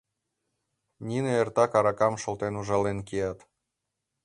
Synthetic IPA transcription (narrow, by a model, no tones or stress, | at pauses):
nʲineert̪ɑkɑɾɑkɑmʃŏlt̪enuʒɑlenkiɑt̪